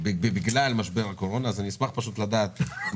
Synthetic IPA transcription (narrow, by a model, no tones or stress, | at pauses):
bbebiɡlalmaʃbe̞ʁhako̞ʁo̞naːzaniismaχpaʃut̪lad̪aːt̪